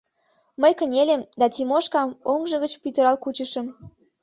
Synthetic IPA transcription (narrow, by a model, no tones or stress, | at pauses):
məjkə̆nʲelʲemd̪ɑt̪ʲimoʃkɑmoŋʒə̆ɣət͡ɕpyt̪ə̆ɾɑlkut͡ɕəʃə̆m